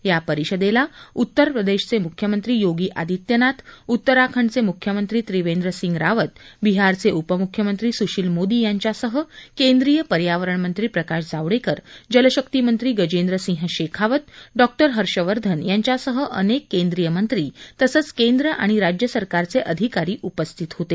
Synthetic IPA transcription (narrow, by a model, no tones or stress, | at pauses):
japəɾiɕəd̪elaut̪ːəɾpɾəd̪eɕt͡semukʰjəmənt̪ɾiːjoɡiːʔa̰d̪ʱit̪jənat̪ut̪ːəɾakʰəɳt͡semukʰjəmənt̪ɾiːt̪ɾiʋend̪ɾəsĩŋɡɾaʋət̪biɦaɾt͡seʔupəmukʰjəmənt̪ɾiːsuɕilmod̪iːjaɲt͡ɕasəɦəkend̪ɾiːjəpəɾjaʋəɾəɳmənt̪ɾiːpɾəkaɕd͡zaʋɽekəɾd͡ʑələɕəkt̪imənt̪ɾiːɡəd͡ʑend̪ɾəsĩɦəɕekʰaʋət̪̚ɖɔk̚ʈəɾɦəɾɕəʋəɾd̪ʱənjaɲt͡ɕasəɦəʔənekːend̪ɾijəmənt̪ɾiːt̪əsət͡skend̪ɾəʔa̰ɽ̃iɾad͡ʑjəsəɾkaɾt͡seʔəd̪ʱikaɾiːʔupəst̪ʰit̪ɦot̪e